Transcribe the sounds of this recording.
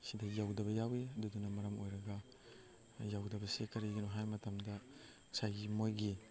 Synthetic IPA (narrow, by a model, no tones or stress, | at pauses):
sidɐjawdɐbɐjaweɐdudunɐmɐɾɐmojɾɐɡɐ | jawdɐbɐsekɐɾiɡɐnuɦajmɐtɐmdɐ | sajɡimojɡi